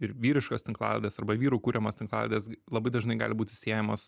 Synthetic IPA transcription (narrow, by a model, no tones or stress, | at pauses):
ɪɾʋʲiːɾʲɪʃkoːst̪ʲɪŋklˠɑ̰ːlʲɛ̰d̪ʲeːsɐrbɐʋʲiːɾuːkuːɾʲɛmoːst̪ʲɪŋklˠɑ̰ːlʲɛ̰d̪ʲeːslˠɐbɐɪd̪ɐʒnɐɪɡɑ̰ːlʲɪbuːt̪ʲɪsʲeːjɛmoːs